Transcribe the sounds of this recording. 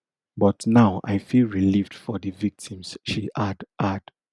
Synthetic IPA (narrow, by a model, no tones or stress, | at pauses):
bɔtnaʊa̰ɪfilɹilivd̥fɔðɨvik̚tʰĩmsʃiʔadʔad